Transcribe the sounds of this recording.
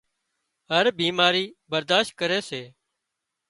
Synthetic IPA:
ɦəɾbiːmaːɾiːbəɾd̪aːʃt̪̚kəɾeːseː

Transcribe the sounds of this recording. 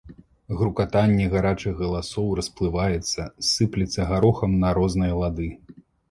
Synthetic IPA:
ɣɾukat̪anʲːɛɣaɾat͡ʂɨɣɣɐlˠasɔwrɐsplˠɨvajɛt̪sːɐsɨplʲit̪sːɐɣaɾɔxɐmnɐɾɔznɨjɐlˠad̪ɨ

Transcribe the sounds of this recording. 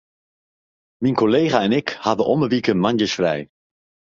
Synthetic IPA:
minkɔlejχaɛnɪkhavəʔɔməʋikənmɑnjəsfrɛ̰j

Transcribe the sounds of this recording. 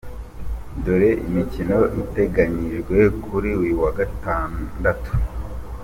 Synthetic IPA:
doɾe̞ʔḭmicino̞ʔite̞ɡaɲiʒɡwe̞kʰuɾiwiwaɡataːndatu̥

